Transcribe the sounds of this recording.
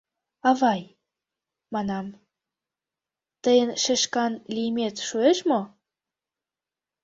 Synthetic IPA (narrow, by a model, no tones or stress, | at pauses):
ɑβɑj | mɑnɑm | t̪əjənʃeʃkɑnlijmet̪ʃueʃmo